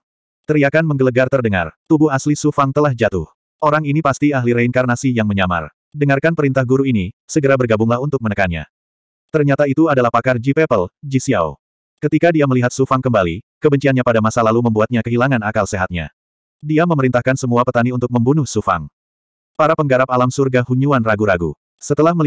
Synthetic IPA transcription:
t̪əɾiakanməŋɡələɡart̪ərdəŋa̰rt̪ubʊɦaslisufaŋt̪əlahd͡ʒat̪ʊh | ʔoɾaŋinipast̪iaɦliɾainkarnasijaŋməɲama̰r | dəŋarkanpəɾint̪ahɡuɾuinisəɡəɾabərɡabʊŋlahunt̪ʊk̚mənəkanɲa̰ | t̪ərɲat̪ait̪uadalahpakard͡ʒipɛpəld͡ʒisia̰o | kət̪ikadiaməliɦat̪̚sufaŋkəmbalikəbəɲt͡ʃianɲapadamasalaluməmbuat̪̚ɲakəɦilaŋanakalseɦat̪̚ɲa̰ | diaməməɾint̪ahkansəmuapət̪aniunt̪ʊk̚məmbunʊhsufa̰ŋ | paɾapəŋɡaɾap̚alamsurɡahuɲuanraɡuɾaɡṵ | sət̪əlahmə

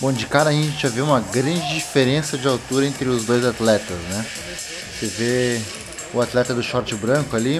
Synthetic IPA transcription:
bõd͡ʒɪkaɾɐʒiẽt͡ʃɪaveũmɐɡɾɐ̃nd͡ʒɪd͡ʒifeɾẽsɐd͡ʒɪawt̪uɾɐẽnt̪ɾɪʊzd̪ojzat̪lɛt̪ɐsnɛ | seve | ʊat̪lɛt̪ɐd̪ʊʃɔɾt͡ʃɪbɾɐ̃kʊali

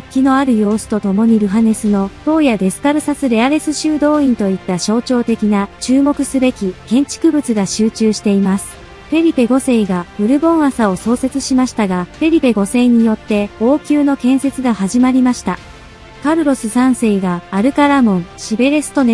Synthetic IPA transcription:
kʲːino̞aɾɯ̟jo̞ːsɨ̥t̪o̞t̪o̞mo̞ɲ̟iɾɯ̟ɦane̞sɨno̞t̪o̞ːjad̪e̞sɨ̥kaɾɯ̟sasɨɾe̞aɾe̞sɨɕɨːd̪o̞ːĩnt̪o̞it̪ːaɕo̞ːt͡ɕo̞ːt̪e̞kʲinat͡ɕɨːmo̞kɯ̟sɨbe̞kʲikẽ̞ɲ̟t͡ɕi̥kɯ̟bɯ̟t͡sɨɡaɕɨːt͡ɕɨːɕi̥t̪e̞imasɨ̥ | ɸe̞ɾʲipe̞ɡo̞se̞iɡaɯ̟ɾɯ̟bõ̞ɰ̃asao̞so̞ːse̞t͡sɨɕimaɕi̥t̪aɡaɸe̞ɾʲipe̞ɡo̞se̞ːɲ̟ijo̞t̪ːe̞o̞ːkʲɨːno̞kẽ̞ɰ̃se̞t͡sɨɡahaʑimaɾʲimaɕi̥t̪a | kaɾɯ̟ɾo̞sɨsãɰ̃se̞iɡaːɾɯ̟kaɾamõ̞ɰɕibe̞ɾe̞sɨ̥t̪o̞ne

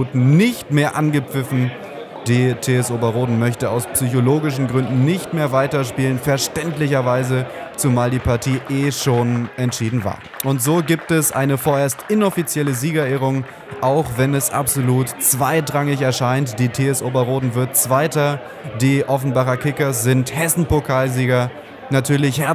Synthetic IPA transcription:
tn̩nɪçtmeːɐʔanɡəp͡fɪfn̩ | d̥iːtʰeːɛsʔoːbɐʁoːdn̩mœçtəaʊspsyçoloːɡɪʃ̬n̩ɡʁʏndn̩nɪçtmeːɐvaɪtɐʃpiːlənfɛɐʃtɛntlɪçɐvaɪzət͡sumaːldiːpaɐtʰiːʔeːʃoːnɛntʃiːdn̩va̰ːɐ | ʔʊntz̥oːɡiːp̚tɛsʔa̰ɪnəfoːɐeːɐstʔɪnɔfit͡sjɛləziːɡɐeːʁʊŋ | ʔaʊχv̥ɛnɛsʔa̰pz̥oluːtt͡sv̥aɪdʁaŋɪçɛɐʃaɪntd̥iːtʰeːɛsʔoːbɐʁoːdn̩vɪɐt̚t͡sv̥aɪtɐ | diːʔɔfn̩baχɐkʰɪkɐs̬z̥ɪnthɛsn̩pokʰaːlziːɡɐ | natʰyːɐlɪçhɛɐ

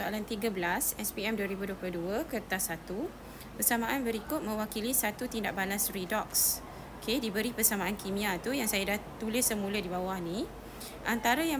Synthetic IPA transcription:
aalant̪iɡabəlasɛspiɛmduəɾibuduəploduəkərt̪asat̪u | pərsamãʔanbəɾikʊt̪̚mə̃wakilisat̪ut̪indaʔbalasridɔks | okʰedibəɾipərsamãankimĩat̪ujaŋsajadaht̪ulɪsːəmũlədibawahnĩ | ʔant̪aɾaja

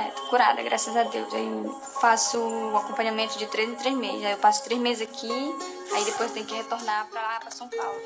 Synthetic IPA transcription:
ɛt̪o̥kuɾa̰d̪ɐ̰ɡɾʔasɐzad̪ewza̰i | fasʊːakõpɐ̃ɲamẽnt̪ʊd͡ʒɪt̪ɾezɪ̃t̪ɾezmezɪzaewpasʊ̥t̪ɾezmezɪzakʰi | aid̪epojst̪ẽj̃ʊkɪhet̪oɾnapɾɐlapɾɐsɐ̃w̃pawlʊ

